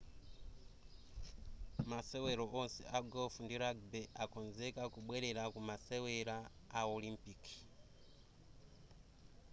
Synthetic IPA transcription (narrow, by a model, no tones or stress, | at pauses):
maseweɾoʔonsḛʔaɡofundiɾaɡbeʔakonzekakuɓwɛɾeɾakumaseweɾaːolimpiki̥